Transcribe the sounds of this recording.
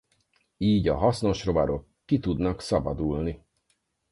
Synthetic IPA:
iːɟɒɦɒsno̞ʃro̞bɒɾo̞kːit̪ud̪nɒksɒbɒd̪uːlni

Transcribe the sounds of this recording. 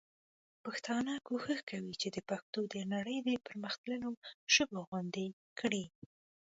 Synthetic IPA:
paxt̪ɑnɑkoxəxkawit͡ʃed̪əpaxt̪od̪ənaɽəjd̪əpəɾməxt̪lənoʒəboɣwand̪e | kɽi

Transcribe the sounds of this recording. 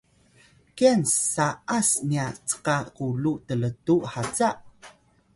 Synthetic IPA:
kiansaʔasniat͡sə̥qakulutələtuhat͡saʔ

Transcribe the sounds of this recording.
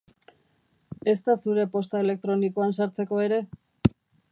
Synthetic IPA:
e̞st̪asuɾe̞po̞st̪ae̞le̞k̚t̪ɾo̞nikoansaɾt͡se̞ko̞e̞ɾe̞

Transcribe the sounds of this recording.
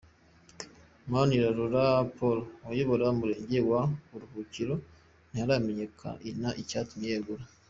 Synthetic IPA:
maoniɾaɾuɾapoloojoβoɾamuɾeːɲɟewaβuɾuhuciɾo | nihaɾameɲekʰa̰ʔinaʔicatumjeɡuɾa

